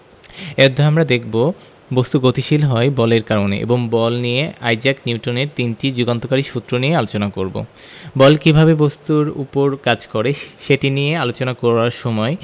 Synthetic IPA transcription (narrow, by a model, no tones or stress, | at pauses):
ed̪ʱoamɾad̪ekʰbo | bost̪uɡot̪iʃilɦɔebɔleɾkaɾonḛʔḛboŋbɔlnijeajd͡ʑakniuʈoneɾt̪inʈid͡ʑuɡant̪okaɾiʃut̪ːɾonijealot͡ɕonakoɾbo̰ | bɔlkibʱabebost̪uɾṵpoɾkad͡ʑkoɾeʃeʈinijealot͡ɕonakoɾaɾʃɔmɔe